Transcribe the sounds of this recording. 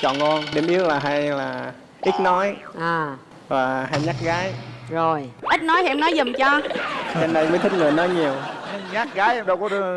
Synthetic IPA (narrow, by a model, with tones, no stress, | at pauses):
t͡ɕɔ̰˧˨nŋɔ˧nɗe˨˩mʔi˦˥ət̚laː˨˩ɦa˧jlaː˨˩ | ʔi˦˥t̚nɔ˨˦jʔaː˨˩ | vaː˨˩ha˧jɲa˦˥k̚ɣaː˨˦jzo˨˩jʔi˦˥t̟̚nɔ˨˦jhɛ˧mnɔ˨˦jzə˨˩mt͡ɕɔ˧t͡ɕɛ˧nːa˧jməː˨˦t̪ʰï˦˥k̚ŋɨː˨˩jnɔ˨˦jɲi˨˩əwɲ˧ɲaː˦˥k̚ɣaː˨˦jʔɗə˧˩wkɔ˨˦ɗ